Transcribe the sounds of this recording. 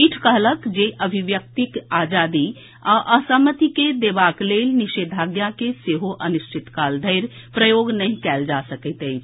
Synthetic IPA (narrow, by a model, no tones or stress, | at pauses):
iʈʰkəɦləkd͡ʒeʔəbʱiʋjək̚t̪ikaːd͡ʒaːd̪i | ɔʔəsəmət̪iked̪eːbaːkleːlnɪʃeːd̪ʱaːɡjakeseɦoʔɐnʊʃt͡ʃʰɪt̪kaːld̪ʱəjɾ | pɾəjoːɡnɐɦĩkɛːld͡ʒasəkət̪e